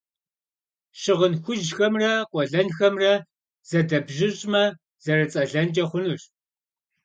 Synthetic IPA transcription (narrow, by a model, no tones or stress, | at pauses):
ɕɪʁənxʷʊʒxɐmrɐqʷʼɔɮɐnxɐmrɐ | z̥ɐdɐbʒɪʑʼmɐ | z̥ɐrɐt͡sʼɐɮɐnt͡ʃʼɐχʷʊnuɕ